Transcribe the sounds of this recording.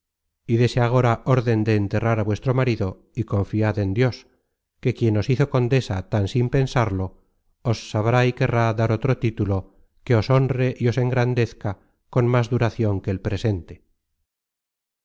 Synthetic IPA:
iðe̞seaɣ̞o̞ɾaʔo̞ɾðe̞nd̪e̞ːnt̪eraɾaβwe̞st̪ɾo̞maɾiðo̞ | iko̞ɱfiaðe̞nd̪jo̞s | ke̞kje̞no̞siθo̞ko̞nd̪e̞sat̪ansimpe̞nsaɾlo̞ː | sːaβɾaike̞raðaɾot̪ɾo̞t̪it̪ulo̞ | ke̞o̞so̞nre̞ʔio̞se̞ŋɡɾand̪e̞θka | ko̞nmazðuɾaθjo̞ŋke̞ːlpɾe̞se̞nt̪e̥

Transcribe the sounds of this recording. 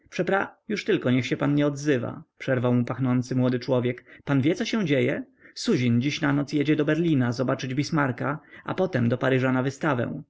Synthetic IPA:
pʂɛpɾajuʂt̪ɘlkɔɲɛxɕɛpanɲɛɔd̪zɘva̰pʂɛɾvawmupaxnɔnt̪sɘmwɔd̪ɘt͡ʂwɔvʲjɛkpanvʲjɛtsɔɕɛ̃d͡ʑejɛ | suʑind͡ʑiɕnanɔt̪sjed͡ʑɛd̪ɔbɛɾlʲinazɔbat͡ʂɘd͡ʑbʲismaɾkaʔa̰pɔt̪ɛmd̪ɔpaɾɘʐanavɘst̪avɛ̰w̃

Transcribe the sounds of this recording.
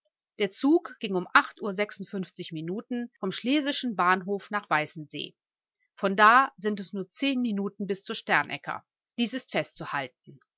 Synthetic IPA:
d̥eːɐt͡suːkɡ̥ɪŋʊmʔaχtʔuːɐzɛksʊntfʏnft͡sɪçminuːtn̩fɔmʃleːzɪʃn̩baːnɦoːfnaːχv̥aɪsn̩zḛː | fɔndaːzɪntɛsnuːɐt͡seːnminuːtn̩bɪst͡suːɐʃtɛɐnʔɛ̰kɐ̰ | d̥iːsɪstfɛstt͡suhalt̚n̩

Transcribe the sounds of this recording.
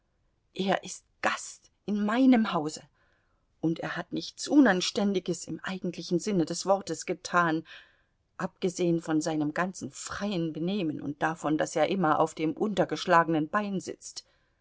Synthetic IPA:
ʔeːɐʔɪst̚ɡ̥ast | ʔɪnmaɪnəmhaʊzə | ʔʊntḛːɐhatnɪçt͡sʔʊnanʃtɛndɪɡəsɪmʔa̰ɪɡŋ̩tʰlɪçn̩zɪnədɛsv̥ɔʁtəsɡ̥ətʰaːn | ʔap̚ɡ̥əzeːənfɔnzaɪnəmɡant͡sn̩fʁ̥aɪənbəneːmənʊ̰nt̚d̥afɔndaseːɐʔɪmɐʔa̰ʊfd̥eːmʔʊntɐɡəʃlaːɡənənbaɪnzɪ̰t͡st

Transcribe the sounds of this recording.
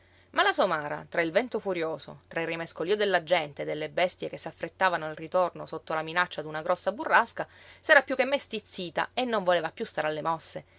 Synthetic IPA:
malasomaːɾa̰t̪ɾailvɛnt̪ofuɾjoːso̰t̪ɾairːimeskoliːod̪elːad͡ʒɛnt̪ed̪ːelːebɛst̪jekesːafːɾet̪ːaːvanoalrit̪ornosot̪ːolaminat͡ʃːad̪unaɡɾɔsːaburːaskasɛːɾapjukːemːest̪it̪sːiːt̪a̰enːoɱvoleːvapjust̪aːɾalːemɔsːe

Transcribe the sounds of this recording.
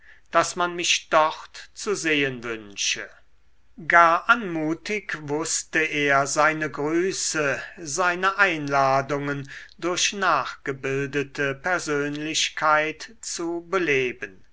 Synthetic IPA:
d̥asmanmɪʃd̥ɔχtt͡suzeːənvʏnʃə | ɡaːɐʔanmuːtɪkvʊstəeːɐzaɪnəɡʁyːsəzaɪnəʔaɪnlaːdʊŋəndʊɐʃnaːχɡ̥əbɪldətʰəpɛɐzøːnlɪʃkʰaɪtt͡subəleːbən

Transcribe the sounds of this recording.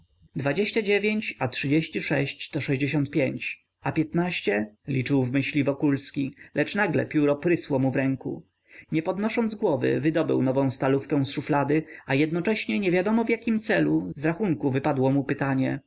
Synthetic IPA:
d̪vad͡ʑeɕt͡ɕad͡ʑevʲjeɲt͡ɕatʂɘd͡ʑeɕt͡ɕiʂɛɕt͡ɕt̪ɔʂɛʑd͡ʑeɕɔ̃nt̪̚pʲjeɲt͡ɕ | apʲjɛt̪naɕt͡ɕɛlʲit͡ʂɘwvmɘɕlʲivɔkulskʲilɛt͡ʂnaɡlɛ̰pʲjuɾɔpɾɘswɔmuvɾɛŋkṵ | ɲɛpɔd̪nɔʂɔnd̪zɡwɔvɘ̰vɘd̪ɔbɘ̰wnɔvɔ̃w̃st̪alufkɛ̃w̃sʂuflad̪ɘajɛd̪nɔt͡ʂɛɕɲɛɲɛvʲjad̪ɔmɔvʲjakʲimt̪sɛluzɾaxuŋkuvɘpad̪wɔmupɘt̪aɲɛ

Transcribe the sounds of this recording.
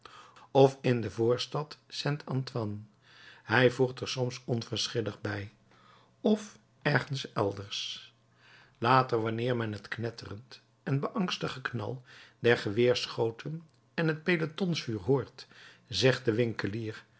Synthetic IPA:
ɔfɪndəvʊːɹstɑtsɛntʰɑntʋɑn | ɦɛjvuɹtəɹsɔmsɔnvəɹsχɪləχbɛj | ɔf | ɛɹχənsɛ̰lˠdəɹs | laːtəɹʋɑnɪːɹmɛnɦətknɛtʰərənt | ɛnbəʔɑŋstəχəknɑ̰lˠdɛɹχəʋɪːɹsχowtʰən | ɛnɦət̚pejlətɔnsfyːɹɦoːɹt | zɛχt̚dəʋɪŋkəliːɹ

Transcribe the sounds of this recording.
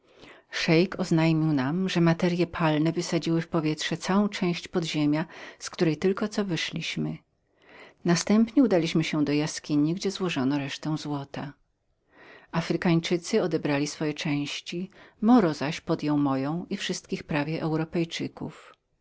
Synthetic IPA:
ʂɛjkɔznajmʲiwnamʐɛmat̪ɛɾjɛpʰalnɛvɘsad͡ʑiwɘfpɔvʲjɛtʂɛt̪sawɔ̃w̃t͡ʂɛ̃w̃ɕt͡ɕpɔd̪ʑemʲjaskt̪uɾɛjt̪ɘlkɔt̪sɔvɘʂlʲiɕmɘ | nast̪ɛmpɲɛud̪alʲiɕmɘɕɛd̪ɔjaskʲiɲiɡd͡ʑɛzwɔʐɔnɔɾɛʂt̪ɛw̃zwɔt̪a | afɾɘkaɲt͡ʂɘt̪sɘɔd̪ɛbɾalʲisfɔjɛt͡ʂɛ̃w̃ɕt͡ɕimɔɾɔzaɕpɔd̪jɔ̃wmɔjɔ̃w̃ifʂɘst̪̚kʲixpɾavʲjɛʔɛwɾɔpɛjt͡ʂɘkṵf

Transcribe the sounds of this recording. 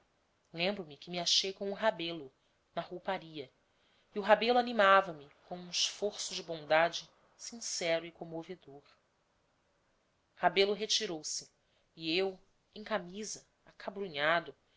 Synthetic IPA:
lẽmbɾʊmɪkɪmɪaʃejkõw̃ũɦabelʊ | nɐhowpaɾiɐ | iʊɦabelʊanimavɐmɪkõw̃ũiʃfoɾsʊd͡ʒɪbõd̪ad͡ʒɪ | sĩsɛɾʊikõmoved̪oɾ | habelʊɦet͡ʃiɾowsɪ | iew | ẽj̃kamizɐ | akʰabɾuɲad̪ʊ

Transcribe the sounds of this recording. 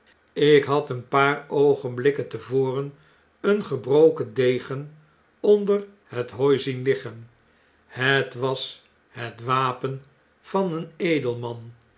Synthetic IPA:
ɪkɦɑtənpaːrowχənblɪkəntəvoːrən | ənχəbrowkədejχən | ɔndər | hətɦɔjzinlɪχən | hətʋɑs | ɦətʋaːpən | v̥ɑnənejdəlˠmɑn

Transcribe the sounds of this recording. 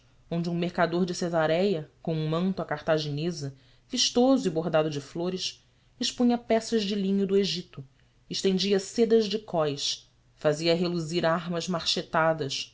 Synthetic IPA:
õnd͡ʒɪũmeɾkad̪oɾd͡ʒɪsezaɾɛjɐkõũmɐ̃nt̪ʊakaɾt̪aʒinezɐ | viʃt̪ozʊiboɾd̪ad̪ʊd͡ʒɪfloɾɪʃ | ɪʃpũɲɐpɛsɐzd͡ʒɪlĩɲʊd̪ʊeʒit̪ʊ | ɪʃt̪ẽnd͡ʒiɐsed̪ɐʒd͡ʒɪkɔjʃ | faziɐɦeluziɾaɾmɐzmaɾʃet̪ad̪ɐʃ

